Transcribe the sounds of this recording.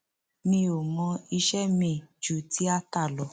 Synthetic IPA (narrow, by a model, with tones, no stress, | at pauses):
nĩ˧˦o˨mɔ̃˧i˧ʃɛ˦mĩ˨d͡ʒu˨ti˨˦a˦ta˦˨lɔ˨˦